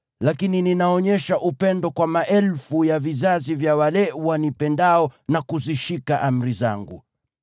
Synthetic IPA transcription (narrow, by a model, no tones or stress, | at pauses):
lakinininaɔɲɛʃaʔupɛndɔkwamaʔɛlfujavizazivjawalɛwanipɛndaɔnakuziʃikaʔam̩ɾiza̰ŋɡu